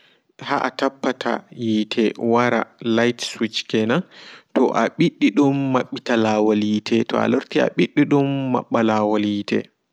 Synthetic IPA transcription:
haʔatapːatʰa̰jiːtʰɛwaɾa̰lajtswit͡ʃkɛnatɔ̰ʔaɓiɗːiɗumːaɓːitalawalitʰɛtɔ̰a̰loɾtia̰ɓiɗːiɗumːa̰ɓːalawaliːtɛ̰

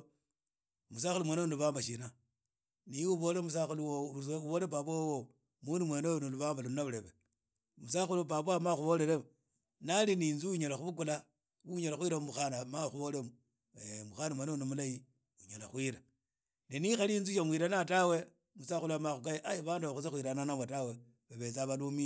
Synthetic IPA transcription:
mus̬axulumweːnonuβaːmbaʃina | niuβolemus̬axuluwouβolepap̬waowo | mundumweːnojonoluβaːmbalunaβleβe | musaxulupapamaxuβoleɾeβ | naliniːnzuuɲalaxuβuk̬ula | uɲalaxwiɾamuxanamaxuβo̞lemo | emuxanamwenonomulaji | uɲalaxwiɾa | ninixalinzujamwiɾanatawe̞ | musaxuluamaxukajeʔajiβaːnduβaxut͡sexwiɾananamwetawe | βeβet͡saβalumi

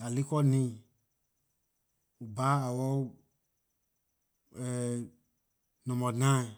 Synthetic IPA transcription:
alikɔnĩ | ubaawɔ | ɛ | nɔ̃mɔ̃nã

